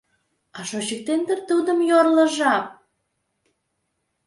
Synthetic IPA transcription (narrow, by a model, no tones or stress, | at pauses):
ɑʃot͡ɕək̚t̪end̪ərt̪ud̪əmjorləʒɑk̚